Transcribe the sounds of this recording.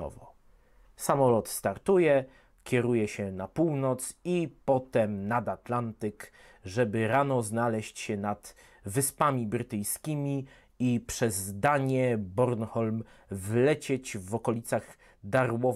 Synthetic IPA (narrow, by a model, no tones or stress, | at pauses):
ɔ̰vɔ̰ | samɔlɔt̪st̪aɾt̪ujɛ | kʲɛɾujɛɕɛnapuwnɔt̪sipɔt̪ɛmnad̪at̪lant̪ɘk | ʐɛbɘɾanɔznalɛɕt͡ɕɕɛnad̪ | vɘspamʲibɾɘt̪ɘjskʲimʲi | ipʂɛzd̪aɲɛbɔɾnxɔlmvlɛt͡ɕed͡ʑvɔkɔlʲit̪saɣ | d̪aɾwɔ